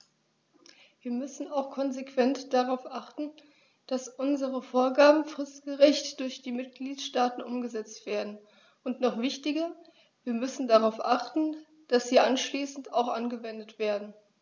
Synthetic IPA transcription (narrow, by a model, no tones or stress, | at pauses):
viːɐmʏsn̩aʊxkʰɔnzekv̥ɛntd̥aʁaʊfʔaχtn̩ | d̥asʔʊnzəʁəfoːɐɡaːbm̩fʁ̥ɪstɡ̥əʁɪçtd̥ʊɐçd̥iːmɪt̚ɡ̥liːtʃtaːtn̩ʔʊmɡəzɛt͡stv̥eːɐdn̩ | ʊntnɔχv̥ɪçtɪɡɐ | viːɐmʏsn̩daʁaʊfʔaχtn̩ | d̥asz̥iːʔanʃliːsn̩taʊxʔanɡəvɛndətv̥eːɐdn̩